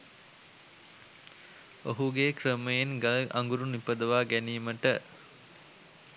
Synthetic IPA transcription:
oɦuɡekrəməjenɡalʔa̰ŋɡuɾunipəd̪əʋaːɡæniːməʈə

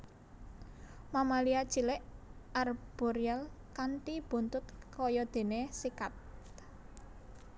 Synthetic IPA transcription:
mamaliḁt͡ʃi̤lɪʔarb̥ɔɾiɛl | kant̪ib̥ṳnt̪ʊt̪̚kɔjɔd̪̥e̤nesikat̪

